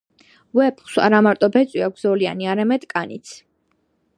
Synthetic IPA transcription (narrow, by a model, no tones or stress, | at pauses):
wɛpχsa̰ɾamaɾt̪ʼɔbɛt̪sʼwiak̚ʷʰz̥ɔlia̰niaɾamɛd̪̥kʼanḭt̪sʰ